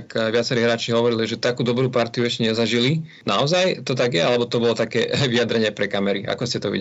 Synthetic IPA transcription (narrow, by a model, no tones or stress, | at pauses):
kʋɪat͡sɛɾiːɦɾaːt͡ʃiɦɔʋɔɾiliʒɛt̪akuːd̪ɔbɾuːpaɾt̪iuɛʃcɛɲɛzaʒili | naɔzajt̪ɔt̪aɡjɛalɛbɔt̪ɔbɔlɔt̪akɛ̰ːʋijad̪ɾɛɲɪɛpɾɛkamɛɾiʔa̰kɔscɛt̪ɔʋḭɟ